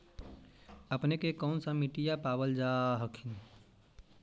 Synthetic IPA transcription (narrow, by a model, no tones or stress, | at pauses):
əpnekekɔːnsəmiʈijapaːbəld͡ʒaːɦəkʰin